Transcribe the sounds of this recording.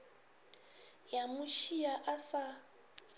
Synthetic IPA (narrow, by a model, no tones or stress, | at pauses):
jamuʃijaʔasa